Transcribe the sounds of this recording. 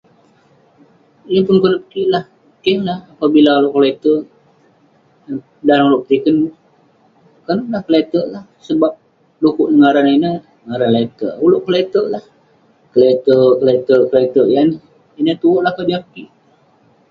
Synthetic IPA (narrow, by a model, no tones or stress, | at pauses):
ijəpʊnkənəpə̥kiʔlah | əkəhlahapabilaloʔkolet̪ə | dauloʔk̚t̪ikən | kənəlahkəlet̪əʔlahsəbap̚ | dukuʔnəŋaɾaninənəŋaɾanlat̪əʔuloʔklet̪əʔlah | kəlet̪əkəlet̪əʔkəlat̪əʔjan | inət̪uoʔlahkədiapəkiʔ